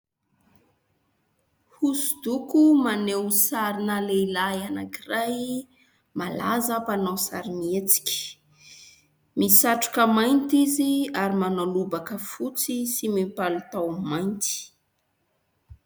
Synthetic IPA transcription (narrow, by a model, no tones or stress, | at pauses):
husud̪ukumanewsaɾinəleilajana̰kiraj | mala̰zapanawsa̰ɾiniet͡si̥kʲi̥ | misaʈ͡ʂu̥kəmajnt̪iziaɾimanalubakəfut͡sisimipalut̪awmajnt̪i̥